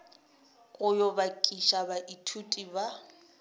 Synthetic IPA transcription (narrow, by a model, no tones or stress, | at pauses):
ɣʼʊjɔbakʼiʃabaʔitʰutʼiba